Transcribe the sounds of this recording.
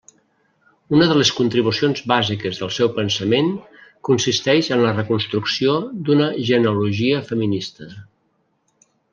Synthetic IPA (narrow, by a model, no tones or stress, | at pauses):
unəðələskunt̪ɾiβusionzβazikəzðəlˠsɛwpənsəmeŋ | kunsist̪ɛʃənlərəkunst̪ɾuksiod̪unəʒənuluʒiəfəminist̪ə